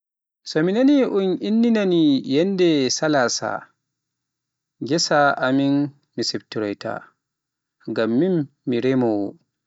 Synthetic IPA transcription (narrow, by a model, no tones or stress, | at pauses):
sɔminaniʔuninːinanijɛndɛsalasa̰ | ɡɛsaʔamin | misɛbtuɾɔjtʰa̰ | ŋɡamːimːiɾɛmɔwɔ̰